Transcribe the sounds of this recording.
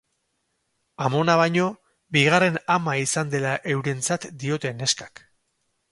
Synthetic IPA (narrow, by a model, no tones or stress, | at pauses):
amo̞naβ̞ajɲo̞ | biɣare̞namaisand̪e̞laʔe̞wɾe̞nt͡sat̪d̪io̞t̪e̞ne̞skḁk